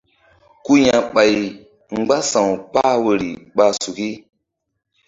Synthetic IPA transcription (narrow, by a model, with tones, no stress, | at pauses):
ku˦jã˨ɓa˨j | ŋ͡mɡ͡ba˦sã˨wk͡pa˦wə˨ɾḭ˨ɓa˦su˨ki˦